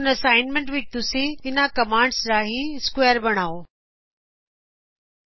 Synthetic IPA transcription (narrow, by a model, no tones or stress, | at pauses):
nɐsaːɪnmẽɳʈʋɪk̚t̪usiɪnãkɐmãːɳɖsɾaːɦiskweːəɾbɐɽ̃aːo